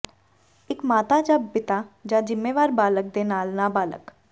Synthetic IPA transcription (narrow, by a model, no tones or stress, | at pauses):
ɪkmaːt̪aːd͡ʒaːpɪt̪aːd͡ʒãːd͡ʒɪmːeːʋaːɾbaːlək̚d̪eːnaːlnaːbaːlə̰k